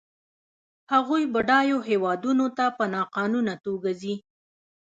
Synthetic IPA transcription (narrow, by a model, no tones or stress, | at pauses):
haɣujbəɖɑjoɦewɑd̪unot̪apənɑqɑnunat̪oɡazi